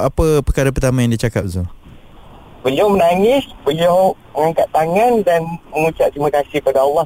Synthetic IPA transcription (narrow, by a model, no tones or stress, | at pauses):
apəpəkaɾəp̬ərt̪amajaŋdit͡ʃakap̚zɔ | bəliawmənaŋɪsbəliawməŋaŋkat̪ːaŋãndanməŋut͡ʃa̰ʔ̚t̪ɾimãkasɪhəpadaːlːɑh